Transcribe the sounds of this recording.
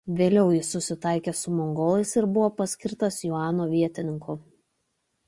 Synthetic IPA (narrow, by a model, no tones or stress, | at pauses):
ʋʲeːlʲɛʊjɪsːʊsʲɪt̪ɑɪkʲeːsʊmɔŋɡoːlˠɐɪsɪɾbʊʋoːpɐsʲkʲɪɾt̪ɐsjuɑːnoːʋʲiɛt̪ʲɪnʲɪŋkʊ